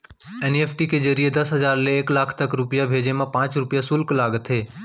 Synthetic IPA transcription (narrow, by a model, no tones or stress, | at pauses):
ɛːneːpʰʈiked͡ʒəɾijed̪ɐsɦəzaːɾleːklaːkʰt̪ɐkɾʊpjabʱeːd͡ʒemãpãːt͡ʃɾʊpɪjasʊlklaːɡt̪ʰɦeː